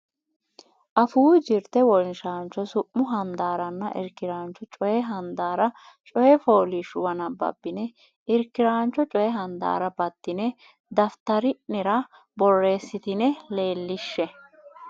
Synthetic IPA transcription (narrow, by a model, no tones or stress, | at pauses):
ʔɐfuːd͡ʒɪɾt̪ɛwɔnʃaːnt͡ʃːɔsʊʔːʊɦɐnd̪aːɾɐnːɐ̰ʔɪ̰ɾkːɪɾaːnt͡ʃːɔt͡ʃʼɔjɛɦɐnd̪aːɾɐ | t͡ʃʼɔjɛfo̞ːlɪʃʊwɐnɐbɐ̰bːɪnɛ | ɪɾkːɪɾaːnt͡ʃːɔt͡ʃʼɔjɛɦɐnd̪a̰ːɾɐbɐd̪ːɪnɛ | d̪ɐft̪ɐɾɪnɛɾɐ | bɔrːe̞ːsːɪt̪ɪnɛle̞ːlːɪʃːɛ